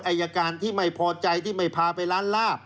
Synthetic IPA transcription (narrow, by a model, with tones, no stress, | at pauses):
tʔa˧˩jːaː˧kaː˧nt̪ʰiː˥˩ma˥˩jpʰɔː˧t͡ɕa˧jt̪ʰiː˥˩ma˥˩jpʰaː˧pa˧jlaː˦˥nlaː˥˩p̚